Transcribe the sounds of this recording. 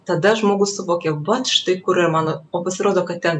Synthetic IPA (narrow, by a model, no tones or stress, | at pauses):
t̪ɑd̪ɑʒmoɡusuβokʲeβɑt̪ʃt̪ekuɾemɑnoopəsɾod̪okɑt̪ʲːɛn